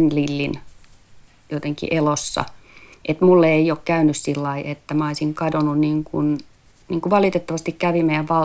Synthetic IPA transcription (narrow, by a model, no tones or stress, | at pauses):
nlilːin | jot̪eŋkḭʔelosːɑ̰ʔet̪mulːeiokkæynyssilːɑiʔet̪ːæmæoisiŋkɑdonunniːŋkun | niːŋkuʋɑlit̪et̪ːɑʋɑst̪ikkæʋimejæʋʋɑ